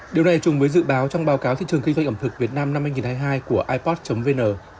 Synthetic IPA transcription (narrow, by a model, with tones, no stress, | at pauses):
ɗi˨˩əwna˨˩jt͡ɕʊ˨˩ŋ͡mvəː˨˦jzɨ̰˧˨ɓaː˨˦wt͡ɕɔ˧wŋ͡mɓaː˨˦wkaː˨˦wt̪ḭ˧˨ɨ˨˩əŋki˧za˧jŋʔə˧˩mt̪ɨ˨˩k̚vi˨˩ət̚naː˧mna˧mhaː˧jŋi˨˩nhʰaː˧jɦaː˧jku˧˩əʔaː˧jpɔ˦˥t̚t͡ɕə˨˦mve˧nəː˨˩